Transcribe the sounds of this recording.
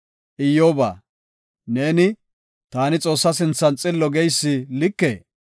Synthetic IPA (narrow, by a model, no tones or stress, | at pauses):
ʔɪjːoːba̰ː | ne̞ːnɪ | t̪aːnɪt͡sʼo̞ːsːɐsɪnt͡sːɐnt͡sʼɪlːɔɡɛjsːɪlɪkːḛː